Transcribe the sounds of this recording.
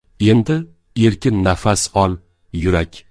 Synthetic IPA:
e̞nd̪ɪ | e̞ɾkʲɪnːafasɒlˠ | jʊɾakʲ

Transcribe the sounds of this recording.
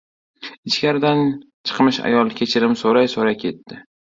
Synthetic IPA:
ɪt͡ʃkʲaɾɪd̪an | t͡ʃʰɨ̥qmɪʃa̰jɒlˠkʲʰe̞t͡ʃʰɪɾɪmsoɾajsoɾajkʲʰe̞t̪ːɪ

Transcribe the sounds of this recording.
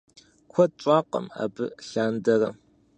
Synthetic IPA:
kʷʰɐt͡ʃʷʼaːqɐ̰ma̰ːbɨ̰ɬaːndɐrɐm

